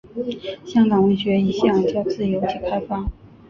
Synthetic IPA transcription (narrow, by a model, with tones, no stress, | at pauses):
ɕjɑ˥ŋkɑ˨˩ŋwe˥˩ɪɕɥɛ˧˥i˧˥ɕjɑ˥˩ŋt͡ɕjɑ˥˧ʊt͡sɹ̩˥˩jo˧˥ʊt͡ɕʰi˥˩kʰa˥ɪfɑ˥˩ŋ